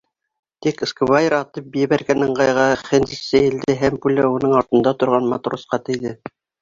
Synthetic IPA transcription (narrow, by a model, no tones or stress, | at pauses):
t̪ikskvajɪɾɑt̪ɤp̚bjɘβæɾɡænɘɴqɑjʁɑχɘnzisːæjɘ̆ld̪ɘɦæmpulæunɤɴɑɾt̪ɤ̆nd̪ɑt̪ŏɾʁɑnmɑt̪rosqɑt̪ɘ̆jðɘ